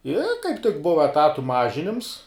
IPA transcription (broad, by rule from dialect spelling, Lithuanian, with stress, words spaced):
ɪ kɐɪp tʲɪk ˈbʊʋɐ ɛˈtɑːtʊ ˈmɑːʒʲɪnʲɪms